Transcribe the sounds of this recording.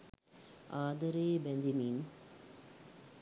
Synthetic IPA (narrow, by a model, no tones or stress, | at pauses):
aːd̪ɐɾeːbɛnd̪iniːn